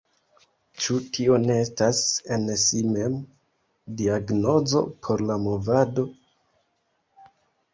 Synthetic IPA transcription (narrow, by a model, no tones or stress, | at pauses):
t͡ʃutʰio̞ne̞estase̞nsime̞m | diaɡno̞zo̞̰pʰo̞ɾlamo̞vado̞